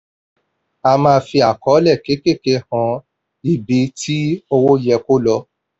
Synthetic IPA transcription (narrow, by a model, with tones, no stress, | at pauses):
a˧mãː˧fi˧a˨kɔ˨˦lɛ˦˨ke˨˦ke˦˨ke˧hã˧˦ | i˨bi˨˦tʰi˦o˧wo˦jɛ˧ko˦lɔ˧